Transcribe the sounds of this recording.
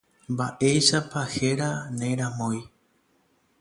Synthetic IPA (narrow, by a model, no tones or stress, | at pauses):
mbaʔe̞jʃapaheɾanẽɾ̃ãmõj